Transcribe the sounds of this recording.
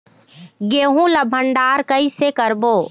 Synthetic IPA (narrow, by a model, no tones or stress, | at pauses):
ɡeːɦũlɐbʱəɳɖaːɾkɐisekəɾboː